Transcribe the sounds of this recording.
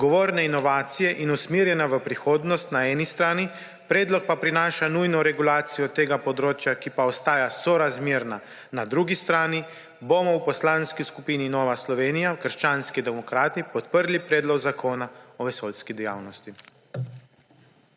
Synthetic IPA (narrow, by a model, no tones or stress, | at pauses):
ɡɔʋoːɾnɛinɔʋaːt̪sijɛʔinusmiɾjɛnaʋəpɾixoːd̪nɔst̪naɛːnist̪ɾaːni | pɾɛːd̪lɔk̚papɾinaːʃanujnɔɾɛɡulaːt̪sijɔt̪eːɡapɔd̪ɾoːt͡ʃjakipaɔst̪aːjasɔɾazmeːɾna | nad̪ɾuːɡist̪ɾaːni | bomɔwpɔslaːnskiskupiːninɔːʋaslɔʋeːnijakəɾʃt͡ʃaːnskid̪ɛmɔkɾaːt̪ipɔt̪pəɾlipɾɛːd̪lɔɡzakʰoːnaɔʋɛsolskid̪ɛja̰ːwnɔst̪i